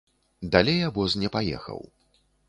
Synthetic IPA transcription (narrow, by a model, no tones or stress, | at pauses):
d̪alʲejabɔznʲɛpajɛ̰xɐ̰w